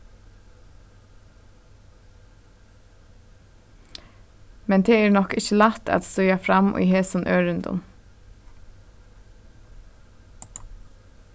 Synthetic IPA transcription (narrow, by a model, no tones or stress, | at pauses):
mɛnt̪ʰeːeːɹnɔkɪçəlɑt̪æ̰t̪st̪œʏafɾɑmʔy̰ːheːsʊnʔøːɹʏnd̪ʊ̰n